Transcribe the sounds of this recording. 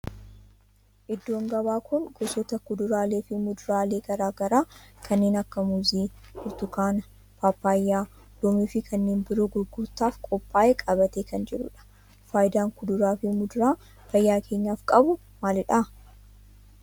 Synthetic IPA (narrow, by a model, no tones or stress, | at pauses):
ʔɪd̪ːo̞ːŋɡɐbaːkʊnɡ̥ɔsɔt̪ɐkʊd̪ʊɾaːle̞ːfɪmʊd̪ʊɾaːleːɡɐɾaːɡɐɾaːkʰɐnːeːnɐkːɐmuːziːhʊɾt̪ʊkaːnɐ | paːpːaːjːaː | dɔmiːfɪkʰɐnːeːnbɪɾoːɡʊɾɡʊɾt̪aːfkʼɔpːaːʔekʼɐbɐt̪eːkɐnd͡ʒɛɾʊ̰ᶑɐ̥ | faːjɪd̪aːŋkʊd̪ʊɾaːfɪmʊd̪ʊɾaː | fɐjːaːkʰe̞ːɲːaːfkʼɐbʊ | maːlɪᶑɐ